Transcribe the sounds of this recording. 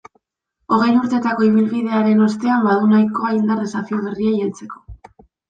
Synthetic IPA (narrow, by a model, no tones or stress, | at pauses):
o̞ɣ̞ejnuɾt̪e̞t̪ako̞iβ̞ilβiðe̞aɾe̞no̞st̪e̞ambaðunajko̞aind̪aresafioβeriajalt͡se̞ko̞̥